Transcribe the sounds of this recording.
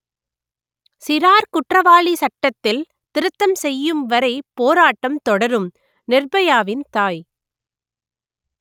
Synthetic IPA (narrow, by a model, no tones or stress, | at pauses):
sɪɾaːɾkʊʈrɐʋaːɭisɐʈːɐt̪ːɪl | t̪ɪɾɯt̪ːɐmsɛjːɯmʋɐɾɐɪpoːɾaːʈːɐmt̪ɔɽɐɾɯm | nɪrbɐjaːʋɪnt̪aːj